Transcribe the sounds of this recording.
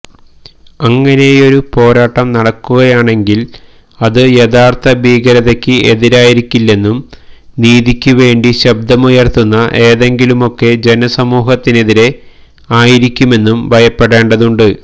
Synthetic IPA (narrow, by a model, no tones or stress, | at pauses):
ɐŋːɐne̞jo̞ɾupo̞ːɾaːʈːɐmnɐɽɐkːuɣɐjaːɳe̞ŋɡil | ɐðɨjeðaːrt̪ʰɐbʱiːɡɐɾɐðekʲːɨʔe̞ðiɾaːjiɾikʲːilːe̞nːumniːðikʲːuʋe̞ːɳɖiɕɐb̚d̪ʱɐmujɐrt̪unːɐʔe̞ːðe̞ŋɡilumo̞kːe̞d͡ʑe̞nɐsɐmuːɦɐt̪ːine̞ðiɾe̞ | aːjiɾikʲːume̞nːumbʱɐjɐpːe̞ɽe̞ːɳɖɐðuɳɖɨ